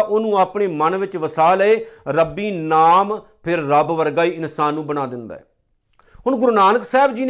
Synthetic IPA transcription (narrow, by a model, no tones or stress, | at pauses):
ʔoːnũːaːpɳeːmənʋɪt͡ʃʋəsaːləeːɾəbiːnaːm | pʰɪɾːəbʋəɾɡaːiːɪnsaːnːũːbəɽaːd̪ɪnd̪a̰ːɦɛ̰ː | ɦʊɳɡʊɾunaːnəksɛːbd͡ʒiːn